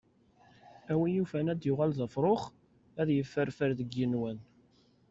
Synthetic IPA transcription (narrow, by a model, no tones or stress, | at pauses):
æwijufænæd̪jʊʁælðɑfɾˤoχ | æðjəfːəɾfəɾðəɡːənwæn